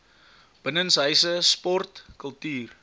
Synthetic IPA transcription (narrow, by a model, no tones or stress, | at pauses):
b̥ənənsɦəjsəspɔrtkəlˠtyːr